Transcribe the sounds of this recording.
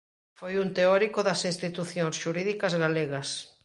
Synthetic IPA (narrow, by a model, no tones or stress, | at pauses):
fojunt̪eɔɾikoðɐsĩnst̪it̪uθjõŋsʃuɾiðikɐzɣaleɣɐs